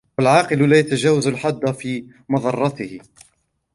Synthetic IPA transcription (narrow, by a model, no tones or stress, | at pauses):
walʕɑːqɨllaːjat̪ad͡ʒaːwazalħad̪ːafiː | mɑðˤɑrˤːɑt̪ɪhɪ